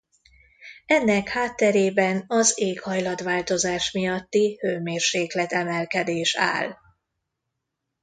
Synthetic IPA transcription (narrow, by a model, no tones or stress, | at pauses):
ɛnːɛkhaːt̪ːɛɾeːbɛnɒzeːkhɒjlɒd̪ʋaːlt̪o̞zaːʃmijɒt̪ːihøːmeːrʃeːklɛt̪ɛmɛlkɛd̪eːʃa̰ːl